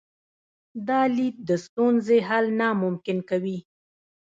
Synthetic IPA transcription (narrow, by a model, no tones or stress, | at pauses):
d̪ɑlit̪̚d̪əst̪unzeɦalnamʊmkɪnkawi